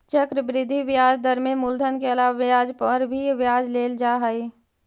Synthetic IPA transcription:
t͡ʃəkɾəbɾɪd̪ʱːiʋɪjaːd͡ʒd̪əɾmẽmʊld̪ʱənkeɐlaːʋaʋjaːd͡ʒpəɾbʱiʋjaːd͡ʒleːld͡ʒaːɦəi

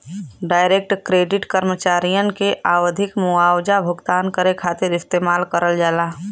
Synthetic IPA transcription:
ɖaːɪɾek̚ʈkɾeːɖɪʈkəɾmət͡ʃaːɾijənkeʔʔaːwd̪ʱɪkmʊaːwd͡ʒabʱʊɡt̪aːnkəɾekʰaːt̪ɪɾɪst̪eːmaːlkəɾəld͡ʒaːlaː

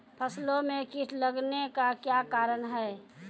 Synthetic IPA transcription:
pʰəslõmẽkiʈʰləɡnekakjakaːɾənɦɛː

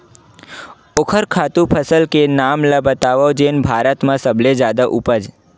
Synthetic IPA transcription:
okʰəɾkʰat̪ũpʰəsəlkenamlabət̪aʋəd͡ʒenbʱaɾət̪mãsəbled͡ʒad̪aʔupəd͡ʒ

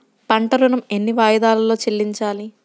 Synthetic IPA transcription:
pɐɳʈɐɾunɐme̞nːiʋaːjɐd̪aːlɐlo̞ːt͡ʃelːiɲt͡ʃaːli

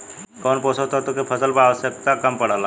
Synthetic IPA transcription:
kɔnpɔsət̪oɦt̪okipʰəsəlpəaʋəsjəkt̪akəmpəɽ̤ala

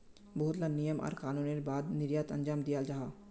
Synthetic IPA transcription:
boɦʊt̪lanijəmɔ̰ːɾkaːnuːneɾbaːd̪nɪɾjaːt̪ɐ̃ɲd͡ʒaːmd̪ijad͡ʒaɦaː

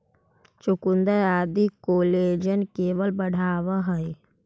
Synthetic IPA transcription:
t͡ʃʊkʊnd̪əɾaːd̪ikoːleːd͡ʒənkeːʋəlbəɽ̤aːʋaɦəe

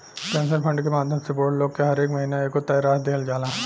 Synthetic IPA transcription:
kɛ̃ːnsəɾpʰɐ̃ɳɖkemaːd̪ʱjə̃msɪpoːɾʈloːɡ̚keɦɐɾeːkmɐɦiːnaeːkot̪ːɐjɾaːsd̪eːəld͡ʒaːlaː

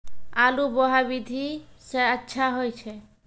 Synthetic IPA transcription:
alubɔɦabid̪ʱisɛətːʃʰaɦɔjt͡ʃʰe

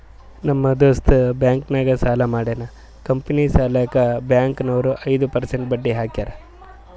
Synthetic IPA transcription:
nɐmːɐd̪oːst̪ubjaːŋknaːɡɐsaːlɐmaːɽeːnɐ | kɐmpɐnisaːlakɐbjaːŋknɐʋɾuʔɐjd̪upɐɾseɳʈ̚bɐɖːiɦaːkjaːɾɐ

